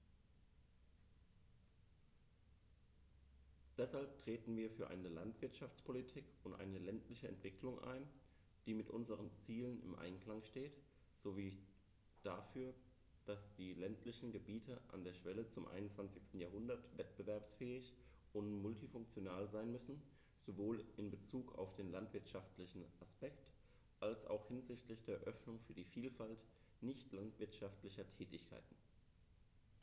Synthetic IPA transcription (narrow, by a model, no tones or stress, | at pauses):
d̥ɛshalp̚tʁ̥eːtn̩viːɐfyːɐʔa̰ɪnəlantv̥ɪɐtʃaft͡spʰolitʰiːkʊntʔa̰ɪnəlɛntlɪçəɛ̰ntv̥ɪklʊŋʔa̰ɪn | d̥iːmɪtʔʊ̰nzəʁ̞ənt͡siːlənɪ̰mʔa̰ɪnkl̥aŋʃteːt | z̥oviː | d̥afyːɐ | d̥asd̥iːlɛntlɪçn̩ɡəbiːtʰəʔa̰ndeːɐʃv̥ɛlət͡sʊmʔa̰ɪnʊnt͡sv̥ant͡sɪçstn̩jaːɦʊndɐtv̥ɛtb̥əvɛɐpsfɛːɪç | ʊntmʊltifʊŋkt͡sjonaːlzaɪnmʏsn̩ | z̥ovoːlɪnbət͡suːka̰ʊfd̥eːnlantv̥ɪɐtʃaftlɪçn̩ʔaspɛkt | ʔalsʔa̰ʊxhɪnzɪçtlɪçd̥eːɐʔœfnʊŋfyːɐdiːfiːlfalt | nɪçtlantv̥ɪɐtʃaftlɪçɐtʰɛːtɪçkʰa̰ɪtn̩